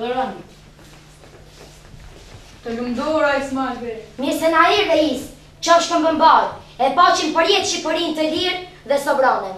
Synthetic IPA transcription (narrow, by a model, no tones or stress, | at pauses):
t̪ɔlumd̪ɔɾaismaɡɾɛməsɛnaɾiɾðɛis | t͡ʃɔʃkəmbəmbaɾ | ɛpat͡ʃinpəɾjɛt̪ʃipəɾint̪əɦiɾ | ðɛsɔbɾɔnɛ